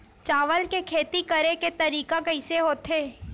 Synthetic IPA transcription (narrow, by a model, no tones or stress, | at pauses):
t͡ʃaːʋəlkekʰeːt̪ikəɾeket̪ɐɾiːkakɐɪseɦoːt̪ɦeː